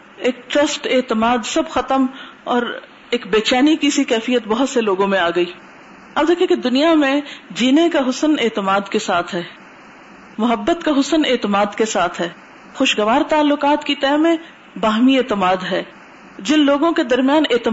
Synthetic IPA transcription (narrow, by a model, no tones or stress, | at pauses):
eːk̚ʈɾɐsʈeːt̪ɪmaːd̪sɐbxɐt̪əmɔːɾ | eːkbeːt͡ʃaːnikisikɛːfijət̪bɐɦʊt̪seloːɡõmẽaːɡɐiː | ɐb̚d̪eːkʰijẽked̪ʊnijamẽd͡ʒiːnekaɦʊsəneːt̪ɪmaːd̪kesaːt̪ʰɦɛː | mʊɦəbːət̪kaɦʊsəneːt̪ɪmaːd̪kesaːt̪ʰɦɛː | xʊʃɡɐʋaːɾt̪aːlːʊqaːt̪kit̪ɛːmẽ | baːɦmieːt̪ɪmaːd̪ɦɛː | d͡ʒɪnloːɡõked̪ɐɾmijaːneːt̪ɪ